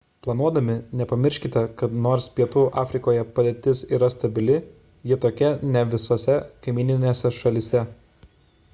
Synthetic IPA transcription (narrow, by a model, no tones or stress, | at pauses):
plˠɐnuɔd̪ɐmʲɪnʲɛpɐmʲɪɾʲʃʲkʲɪt̪ʲɛkɐt̪noːɾspʲiɛt̪uːʔɑːfʲɾʲɪkoːjɛpɐd̪ʲeːt̪ʲɪsiːɾɐst̪ɐbʲɪlʲɪ | jɪt̪oːkʲɛnʲɛʋʲɪsoːsʲɛkɐɪmʲiːnʲɪnʲeːsʲɛʃɐlʲɪsʲɛ